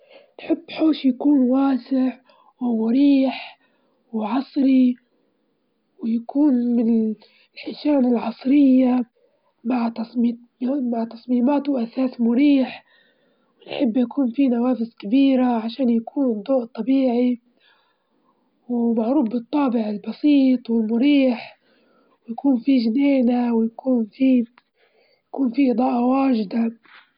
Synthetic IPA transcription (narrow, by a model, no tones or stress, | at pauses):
nħɪbːħoːʃjakuːnwaːsɪʕ | wʊmːʊɾiːħ | wʕɑsˤɾi | wjakʰuːnmɪnɪ | lħɪʃaːnɪlʕɑsˤɾɪjːa | maʕt̪ˤː | maʕt̪ɑsˤmiːmaːt̪wʔasaːsmʊɾiːħ | wɪnħɪbːjakuːnfinawaːfɪzkabiːɾaʕaʃaːnjakʰuːnd̪ˤːoːʔt̪ˤːɑbiːʕi | wmaʕɾuːfbɨt̪ˤːɑːbɪʕɪlbɑsiːt̪ˤwɪlmʊɾiːħ | wjakuːnfiʒneːnawɪjakuːnfi | jakuːnfiʔɨd̪ˤɑːʔɑwaːʒɪd̪a